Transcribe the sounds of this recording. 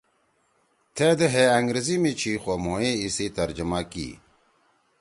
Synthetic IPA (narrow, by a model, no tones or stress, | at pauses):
t̪ʰeːd̪əɦeɐŋɡɾezimit͡ɕʰiːxoːmoːeisit̪ɐɾd͡ʑəmakḭː